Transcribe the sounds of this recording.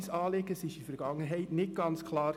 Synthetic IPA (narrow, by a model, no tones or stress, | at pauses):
sɑːlɪɡ̥əsɪʃifɛɾɡ̥ɑŋːənɦɛɪtnɪt̚ɡ̥ɑnt͡skʰlɑːɾ